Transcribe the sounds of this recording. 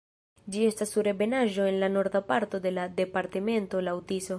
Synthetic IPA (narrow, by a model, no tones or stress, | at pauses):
d͡ʒie̞stasːuɾe̞be̞naʒo̞e̞nlano̞ɾdapaɾto̞de̞lade̞paɾteme̞nto̞lawtiso̞